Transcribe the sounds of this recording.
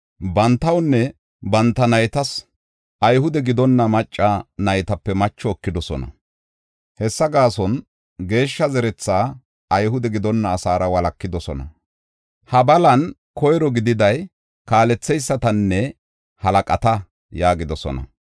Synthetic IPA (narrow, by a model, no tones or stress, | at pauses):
bɐnt̪ːɐwnːɛ | bɐnt̪ːɐnɐjt̪ɐs | ɐjhʊd̪ɛɡɪd̪ɔnːɐmɐt͡ʃʼːɐnɐjt̪ɐpːɛmɐt͡ʃːɔːkːɪd̪ɔsɔ̰nɐ̰ | hɛsːɐɡaːsɔn | ɡe̞ːʃːɐzɛɾɛt͡sːaː | ɐjɦʊd̪ɛɡɪd̪ɔnːɐːsaːɾɐwɐlɐkːɪd̪ɔsɔnɐ̰ | hɐbɐlɐn | kɔjɾɔɡɪd̪ɪd̪ɐj | kaːlɛt͡sːɛjsːɐt̪ɐnːɛ | hɐlɐkʼɐt̪ɐ | jaːɡɪd̪ɔsɔ̰nɐ̰